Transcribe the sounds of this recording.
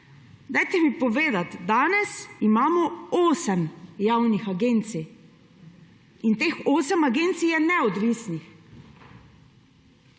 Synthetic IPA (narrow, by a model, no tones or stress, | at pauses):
d̪ajt̪ɛmipɔʋeːd̪at̪d̪aːnɛsimaːmɔoːsɛmjawnixaɡent̪si | int̪eːxoːsɛmaɡent̪sijɛnɛɔd̪ʋisnix